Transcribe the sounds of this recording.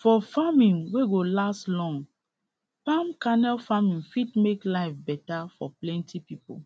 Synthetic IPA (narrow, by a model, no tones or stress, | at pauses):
fɔfamĩnweɡolastlɔ̃ŋ | pãmkanɛlfamĩnfidmeklaɪfbɛtafɔplɛ̃ntʰipipo̰